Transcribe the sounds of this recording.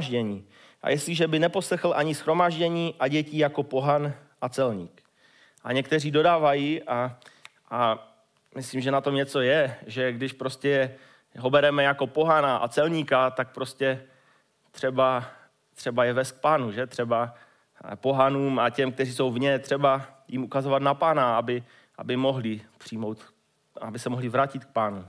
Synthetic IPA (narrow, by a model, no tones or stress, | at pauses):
ʒɟɛɲiː | ʔa̰jɛslɪʒɛbɪnɛpo̞slɛxl̩ʔaɲɪsxɾo̞maːʒɟɛɲiːʔaɟɛciːjako̞po̞ɦanʔat͡sɛlɲḭːk | ʔa̰ɲɛkt̪ɛriːdo̞daːvajiːʔa | ʔa | mɪsliːmʒɛnat̪o̞mɲɛt͡so̞jɛʒɛɡdɪʃpɾo̞scɛ | ɦo̞bɛɾɛmɛjako̞po̞ɦanaʔa̰t͡sɛlɲiːkat̪ak̚pɾo̞scɛ | t̪r̝̥ɛba | t̪r̝̥ɛbajɛvɛst̪k̚paːnuʒɛt̪r̝̥ɛba | po̞ɦanuːmacɛmk̚t̪ɛriːso̞wvɲɛt̪r̝̥ɛba | jimʔukazo̞vat̪napaːnaabɪ | ʔa̰bɪmo̞ɦlɪpr̥ijmowt̪ | abɪsɛmoɦlɪvɾacɪt̪k̚paːnu